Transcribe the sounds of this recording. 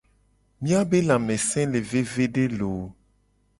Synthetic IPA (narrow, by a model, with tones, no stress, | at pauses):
mĩ˦a˦be˦la˨mɛ̃˨sɛ̃˦le˨ve˦ve˦ɖe˦lo˨